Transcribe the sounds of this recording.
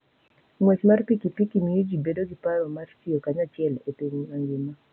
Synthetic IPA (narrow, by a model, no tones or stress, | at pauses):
ŋwɛt͡ʃmaɾpikipikimiid͡ʒibɛdɔɡipaɾɔmaɾsiɔkaɲat͡ʃɛlɔteŋaŋɡɪma